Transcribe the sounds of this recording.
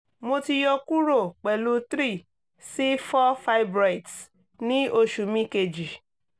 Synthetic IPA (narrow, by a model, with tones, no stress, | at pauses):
mo˧ti˧jɔ˧ku˦ɾo˦˨k͡pɛ˨lu˦tɾi˦˨ | si˦fɔ˦fa˧jbɾa˨jts | nĩ˦o˧ʃu˨mĩ˦ke˧˨d͡ʒi˨